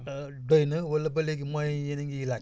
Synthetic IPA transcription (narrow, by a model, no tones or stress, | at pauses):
doinɨ̃wələbəlekimɔ̃jĩjenĩŋɡiila